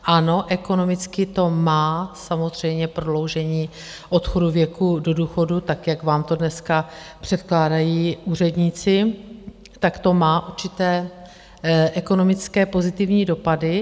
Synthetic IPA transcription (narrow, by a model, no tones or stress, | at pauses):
ʔano̞ʔɛko̞no̞mɪt͡skɪt̪o̞maːsamo̞zr̝ɛjmɲɛpɾodlo̞wʒɛɲiː | ʔo̞t̪xo̞duvjɛkudoduːxo̞dut̪akjakvaːmt̪o̞dnɛskapr̝̥ɛt̪klaːdajiːʔuːr̝ɛdɲiːt͡sɪ | t̪akt̪o̞maːʔuɾt͡ʃɪt̪ɛː | ʔɛko̞no̞mɪt͡skɛːpo̞zɪt̪ɪvɲiːdo̞padɪ